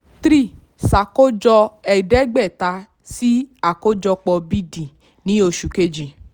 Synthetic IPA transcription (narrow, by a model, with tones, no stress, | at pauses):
t̪ɾi˦˨ | sa˨ko˦d͡ʒɔ˧ɛ˨dɛ˨˦ɡ͡bɛ˦˨ta˧ | si˦a˨ko˦d͡ʒɔ˧k͡pɔ˧bi˦dĩ˨ | nĩ˨˦o˧ʃu˨ke˦d͡ʒi˨